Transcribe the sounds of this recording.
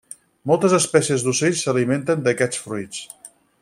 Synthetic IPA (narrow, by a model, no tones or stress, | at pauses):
mɔlˠt̪əzəspɛsiəzd̪useʎsəliment̪ənd̪əkɛt͡sfɾuit͡s